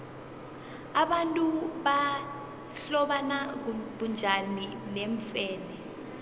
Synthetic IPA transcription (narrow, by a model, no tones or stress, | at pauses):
aɓantʼuɓa | ɬɔɓanak̬ɓund͡ʒʱanineɱfɛːlɛ